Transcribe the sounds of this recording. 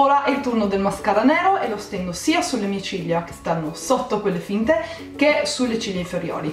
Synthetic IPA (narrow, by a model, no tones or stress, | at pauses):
oːɾaʔilt̪urnod̪elmaskaɾanɛːɾoʔɛlost̪ɛŋd̪osiːasulemiet͡ʃiʎːak̟e̥st̪anːosot̪ːokwelːefint̪e | kesulːet͡ʃiʎːaiɱfeɾjo̰ːɾi